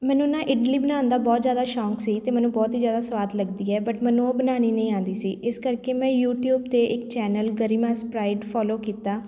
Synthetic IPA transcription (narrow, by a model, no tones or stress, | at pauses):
mɛ̃ːnũnãːʔɪɖliːbənãːnd̪aːbɔːt̪zjaːd̪aːʃɔːksiːt̪eːmɛ̃ːnũːbɔːt̪ɦiːzjaːd̪aːswaːd̪ləɡd̪iːɛːbəʈmɛ̃ːnũoːbənaːñiːnə̃ĩːãːnd̪iːsiːʔɪskəɾkeːmɛ̃ːjuːʈjuːbt̪eːʔɪkt͡ʃɛːnəlɡəɾiːmaːspɾaːɪɖpʰɔːloːkiːt̪aː